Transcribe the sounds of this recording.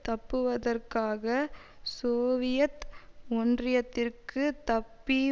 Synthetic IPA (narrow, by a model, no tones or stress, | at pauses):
t̪ɐpːɯʋɐðɐrkaːɣɐ | soːʋɪjɐt̪ɔndrɪjɐt̪ːɪrkɯt̪ɐpːi